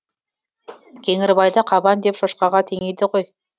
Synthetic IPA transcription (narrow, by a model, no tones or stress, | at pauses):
kʲʰe̞ŋɪɾɪbɑjd̪əqʰɑbɑnd̪e̞pʃoʃqɑʁɑt̪ʰe̞ŋejd̪ɪqʰoj